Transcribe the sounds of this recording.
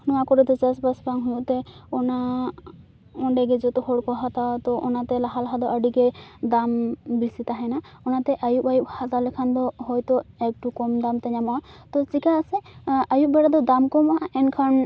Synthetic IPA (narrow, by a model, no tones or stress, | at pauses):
nɔwakɔɾɔd̪ɛzasbasbaŋɦujuʔt̪ɛɔna | ɔɳɖɛɡɛzɔt̪ɔhɔɽkɔɦat̪at̪ɔʔɔnat̪ɛlaɦalaɦad̪ɔʔaɖiɡɛd̪ambisit̪aɦɛnaɔnat̪ɛʔajuʔajuʔhazalɛkʰand̪ɔhɔjt̪ɔɛk̚ʈukɔmd̪amt̪ɛɲamat̪ɔsikaːsɛajuʔbɛɽad̪ɔd̪amkɔmaɛnkʰan